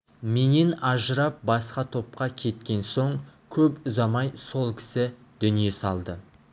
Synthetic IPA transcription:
me̞ne̞nɑʒəɾɑp̚bɑsqɑt̪ʰo̞p̚qɑkʲʰe̞t̪kʲe̞nso̞ɴkʲʰɵpʊzɑmɑjso̞lˠkʲʰɪ̥sɪ | d̪̥ʏnije̞sɑlˠd̪ə

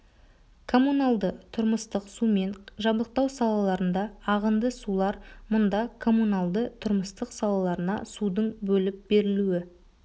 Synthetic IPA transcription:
kʰo̞munɑlˠd̪ət̪ʰʊɾməst̪əqsume̞nʒɑblˠəq̚t̪ɑwsɑlˠɑlˠɑɾənd̪ɑːʁənd̪əsulˠɑɾmʊnd̪ɑkʰo̞munɑlˠd̪ət̪ʰʊɾməst̪əqsɑlˠɑlˠɑɾənɑ̰sud̪əɴbɵlɪp̚be̞ɾɪluɪ

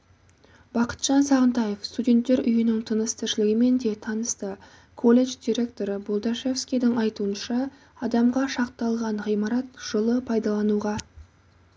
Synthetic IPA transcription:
b̥ɑqə̥t̪ʒ̥ɑnsɑʁənt̪ɑje̞fst̪udʲe̞nt̪ːe̞ɾʔʏjɪnɪŋt̪ʰənəst̪ʰɪɾʃɪlɪɡʲɪme̞nd̪e̞t̪ʰɑnəst̪ə | kʰo̞lʲe̞ʒd̪ʲijɾʲe̞kt̪o̞ɾəbolˠd̪ɑʃefskʲijd̪ɪŋɑjt̪uənʃɑ | ɑd̪ɑmʁɑʃɑqt̪ɑlˠʁɑɴʁijmɑɾɑt̪ʒ̥olˠəpʰɑjd̪ɑlˠɑnuʁɑ

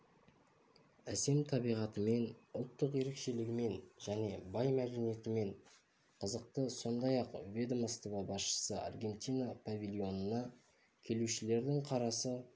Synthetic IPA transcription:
æse̞mt̪ʰɑbijʁɑt̪əme̞nʊlˠt̪ːəqje̞ɾe̞kʃe̞lɪɡʲɪme̞nʒæne̞bɑjmæd̪e̞nije̞t̪ɪme̞ɴ | qʰəzəq̚t̪əso̞nd̪ɑjɑqvʲe̞d̪məst̪ovɑbɑsʃə̥səa̰rɡʲe̞nt̪ʲijnapʰavʲilʲˠijo̞nənɑ | kʲʰe̞luʃɪle̞ɾd̪ɪŋqʰɑɾɑsə

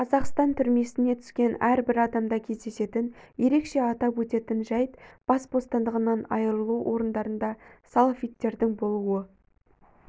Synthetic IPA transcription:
qʰɑzɑqst̪ɑnt̪ʰʏɾme̞sɪne̞t̪ʰʏ̥skʲe̞næɾbɪɾɑd̪ɑmd̪ɑkʲʰe̞zd̪e̞se̞t̪ɪnje̞ɾe̞kʃe̞ɑt̪ɑpwɵt̪e̞t̪ɪnʒɑjt̪b̥ɑsbo̞st̪ɑnd̪əʁənɑnɑ̰jəɾəlˠuwʔo̞ɾənd̪ɑɾənd̪ɑsalˠfijt̪ːe̞ɾd̪ɪŋbo̞lˠuə

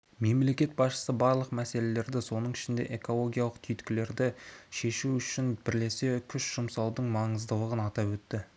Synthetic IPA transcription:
me̞mle̞kʲe̞t̪̚bɑsʃə̥səbɑɾlˠəqmæse̞le̞le̞ɾd̪ɪso̞nəɴɪʃɪnd̪e̞̰ʔe̞ko̞lˠo̞ɡʲijalˠəqt̪ʰʏjt̪kʲɪle̞ɾd̪ɪʃe̞ʃuʏʃɪnbɪɾle̞se̞kʲʰʏʃʒ̥ʊmsɑlˠd̪əɴmɑɴəzd̪əlˠəʁənɑt̪ɑpwɵt̪ːɪ

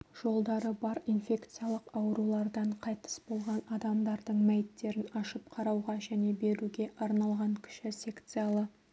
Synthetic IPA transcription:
ʒ̥o̞lˠd̪ɑɾəbɑɾinfʲe̞kt̪sɨjalˠəqɑwəɾulˠɑɾd̪ɑɴqʰɑjt̪ə̥sbo̞lˠʁɑnɑd̪ɑmd̪ɑɾd̪əɴmæjɪt̪ːe̞ɾɪnɑʃəp̚qʰɑɾɑwʁɑʒæne̞be̞ɾuɡʲe̞ʔɑɾnɑlˠʁɑɴkʲʰʏ̥ʃɪsʲe̞kt̪sɨjalˠə

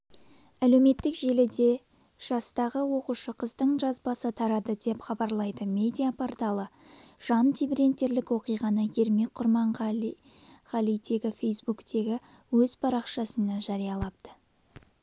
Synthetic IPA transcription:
æle̞wme̞t̪ːɪkʒe̞lɪd̪e̞ | ʒ̥ɑst̪ɑʁəwo̞quʃəqʰəzd̪əɴʒɑzbɑsət̪ʰɑɾɑd̪əd̪e̞pχɑbɑɾlˠɑjd̪əmʲe̞d̪ʲijapʰoɾt̪ɑlˠəʒ̥ɑnt̪ʰibiɾe̞nt̪ːe̞ɾlɪkwo̞qijʁɑnəje̞ɾme̞k̚qʰʊɾmɑɴ | χɑlijt̪ʰe̞ɡʲɪfʲe̞jsbukt̪e̞ɡʲɪ | wɵzpʰɑɾɑqʃɑsənɑʒɑɾijɑlˠɑp̚t̪ə

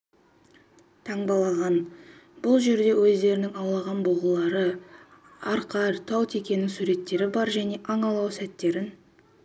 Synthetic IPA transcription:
t̪ʰɑɴbɑlˠɑʁɑnbʊlˠʒe̞ɾd̪e̞wɵzd̪e̞ɾɪnɪŋɑwlˠɑʁɑnboʁəlˠɑɾə | ɑɾqɑɾt̪ʰɑwt̪ʰe̞kʲe̞nːɪŋsuɾe̞t̪ːe̞ɾɪbɑɾʒæne̞ʔɑɴɑlˠɑwsæt̪ːe̞ɾɪn

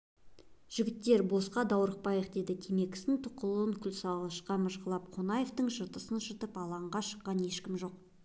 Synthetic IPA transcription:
ʒ̥ɪɡʲɪt̪ːe̞ɾbo̞sqɑd̪ɑwɾəq̚pɑjəq̚d̪e̞d̪ɪt̪ʲʰeme̞kʲɪ̥st̪ɪŋt̪ʰʊqəlˠəŋkʲʰʏlʲsɑlˠʁɑʃqɑməʃqəlˠɑpqʰonɑje̞ft̪əɴʃət̪əsənʃət̪əpɑlˠɑɴʁɑʃə̥qːɑne̞ʃkʲɪmʒo̞q̚

